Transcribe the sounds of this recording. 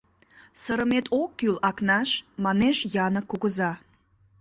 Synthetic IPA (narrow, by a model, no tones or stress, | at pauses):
səɾəmet̪ʰokːylɑknɑʃmɑneʃjɑnəkːuɣəzɑ